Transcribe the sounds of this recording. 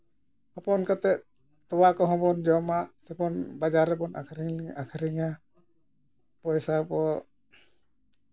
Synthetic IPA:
hɔpɔnkat̪ɛ | t̪ɔwakɔɦɔ̃pɔnd͡ʒɔmasɛpɔnbad͡ʒaɾɛpɔnʔa̰kʰɾiakʰɾiŋa | pɔjsapɔ

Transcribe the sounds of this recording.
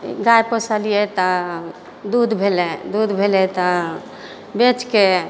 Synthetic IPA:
ɡajpəsəlijet̪ɔ | d̪ud̪bʱelɛd̪ud̪bʱelɛt̪ɔ | bet͡ʃke

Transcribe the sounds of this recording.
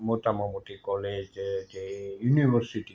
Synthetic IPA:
mot̪ɑmomut̪ikolet̪et̪eyniʋørsit̪i

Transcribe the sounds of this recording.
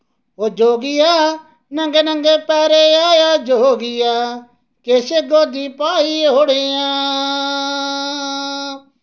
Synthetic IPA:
ɦoːd͡ʒoːɡɪjaː | nə̃ŋɡeːnə̃ŋɡeːpɛːɾeːaːjaːd͡ʒoːɡɪjaː | keːseɡoːd̪ĩːpaːiɦoːɽejãː

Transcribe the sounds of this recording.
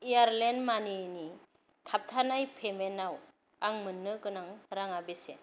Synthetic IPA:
ijaɾlenmanini | tʰap̚tʰanajpʰemenaw | aŋmɯnːɯɡɯnaŋɾaŋabesḛ

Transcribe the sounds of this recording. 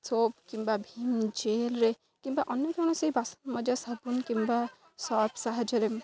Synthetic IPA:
t͡sʰob̚kimbabʱimd͡ʒelɾe | kimbaʔʌnjɔkeɽ̃ũsejbʱasɐ̥nmʌd͡ʒasad̪̚bunkimba | sɔbsaɦad͡ʒʌɾem

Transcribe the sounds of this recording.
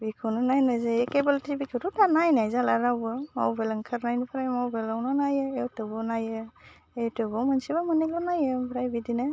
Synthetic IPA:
bikʰɯwnɯnajnazajekebaltibikʰɯɾutanajnajzalaɾawbɯma̰wbelɯŋkʰɯɾnajnupʰɾajmawbelawnɯnajɯewtɯbɯwnajɯ | ewtɯbɔmansiβamɯnelɔnajɯmbɾajbidinɯ

